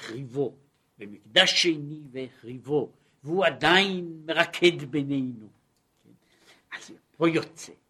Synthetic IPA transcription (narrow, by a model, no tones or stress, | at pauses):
χʁivo̞ | bemikd̪aʃːeniveχʁivo̞ | veuad̪ainmeʁakʰe̞d̪benejnu | ken | az | pojot͡se